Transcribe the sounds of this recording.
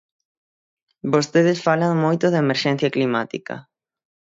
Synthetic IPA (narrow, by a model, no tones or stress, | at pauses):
bost̪eð̞ɪsfalaŋmojt̪ʊðeemeɾʃɛn̟θjaklimat̪ḭkɐ̰